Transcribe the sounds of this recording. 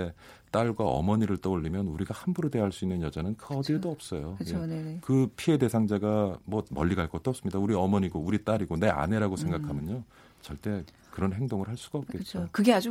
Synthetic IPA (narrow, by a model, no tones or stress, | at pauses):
e | t͈aɭɡwaʌ̰mʌɲiɾɯɭt͈ʌuʎːimjʌnuɾiɡahanbuɾode̞ɦaɭs͈uinːɯnjʌd͡ʑanɯnkʌdidoʌp̚s͈ʌjoɯjekɯpʰie̞de̞sʰaŋd͡ʑaɡamwʌmʌʎːiɡaɭk͈ʌt͈oʌps͈ɯmɲidauɾiʌmʌɲiɡouɾit͈aɾiɡone̞a̰ne̞ɾaɡosʰeŋɡakʰamjʌɲo | t͡ɕʌɭt͈e̞ | kɯɾʌnɦe̞ŋdoŋɯɭhaɭs͈uɡaʌp̚k͈et̚t͡ɕ͈okɯɡead͡ʑu